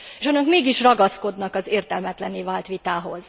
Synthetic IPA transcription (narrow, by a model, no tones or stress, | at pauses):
eːʃonɒkmeːɡiʃrɒɡɒsko̞d̪nɒkɒzeːrt̪ɛlmɛt̪lɛniːvaːlt̪ʋit̪aːɦo̞z̥